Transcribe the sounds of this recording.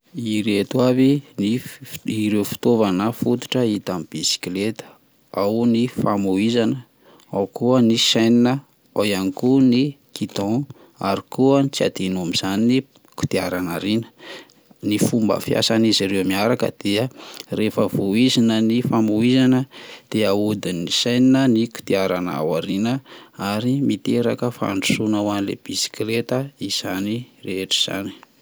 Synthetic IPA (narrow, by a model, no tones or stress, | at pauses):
iɾet̪uaviniiɾewfi̥t̪ovanəfut̪u̥ʈ͡ʂəit̪amib̥isi̥klet̪ə̥ | awnifamuizanə | awkuəniʃajninə | ojanikunikit̪ɔ̃ | a̰ɾikuənit͡sia̰d̪inuamiz̥anini | ku̥t̪iaɾanaɾinə̥ | nifumbə̰fija̰saniziɾewmiaɾakə̰d̪̥iərefəvuizinənifamuizanəd̪̥eaud̪inisajninəniku̥t̪iaɾana̰waɾinəaɾimit̪eɾakəfaa̰ɳɖ͡ʐu̥sunawanilḛb̥isi̥klet̪əiz̥anireeʈ͡ʂi̥z̥a̰ni̥